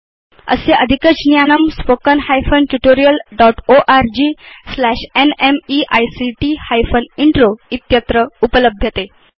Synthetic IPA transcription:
ə̰seʔəd̪ʱikət͡snijanəmspokənhajfənʈuʈoɾijəlɖɔʈoʔaɾd͡ʑiːslæɕenemiʔajsiʈihajfəniɳʈɾoit̪jət̪ɾəupələbʱjət̪e

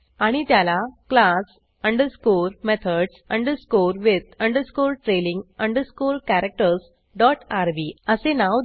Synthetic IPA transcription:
aɽ̃it̪jalaklas | əɳɖəɾskuɾmet̪ʰəɖsəɳɖəɾskoɾʋid̪əɳɖəɾskuɾʈɾelĩŋɡəɳɖəɾskuɾkæɾek̚ʈəɾs | ɖɔʈaɾʋiːəsenaʋ̪

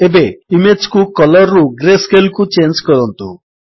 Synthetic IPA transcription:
ebeimeːd͡ʒkukɔlɐɾːuɡɾeːskelkut͡ʃeːnd͡ʒkɔd̪ɐnt̪u

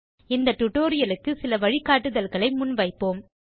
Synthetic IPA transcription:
ɪnd̪ɐʈ̪ʊʈːoːɾɪjɐlɯkːɯsɪlɐʋɐɻɪkːaːʈːɯðɐlɣɐɭɐɪmʊnʋɐɪpːoːm

